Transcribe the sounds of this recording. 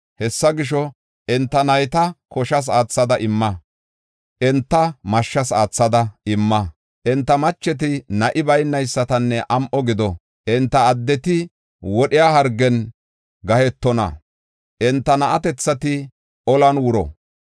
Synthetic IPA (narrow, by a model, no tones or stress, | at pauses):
hɛsːɐɡɪʃ̬ɔ | ɛnt̪ːɐnɐjt̪ɐkɔʃɐs̬aːt͡sːɐd̪ɐʔɪmːɐ | ʔɛnt̪ːɐmɐʃːɐsaːt͡sːɐd̪ɐɪmːɐ | ʔɛnt̪ːɐmɐt͡ʃːɛt̪̬ɪnɐʔɪbɐjnːɐjsːɐt̪ɐnːɛʔɐmʔɔɡɪd̪ɔ | ʔɛnt̪ːɐːd̪ːɛt̪ɪ | wɔɗɪjaːhɐɾɡɛn | ɡɐhɛt̪ːɔnɐ̰ | ʔɛnt̪ːɐnɐʔɐt̪ɛt͡sːɐt̪ɪ | ɔlɐnwʊɾɔ̰